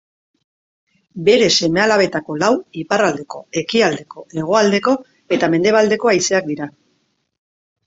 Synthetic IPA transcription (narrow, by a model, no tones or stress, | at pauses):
be̞ɾe̞se̞me̞alaβ̞e̞t̪ako̞lawiparald̪e̞ko̞e̞kiald̪e̞ko̞e̞ɣ̞o̞ald̪e̞ko̞ | e̞t̪ame̞nd̪e̞β̞ald̪e̞ko̞ajse̞ak̚d̪iɾa